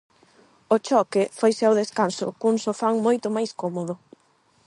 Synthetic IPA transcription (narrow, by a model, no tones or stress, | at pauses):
ot͡ʃɔkɪfojsɪawðeskansʊ̰kuŋsofaŋmojt̪ʊmajskɔmoðʊ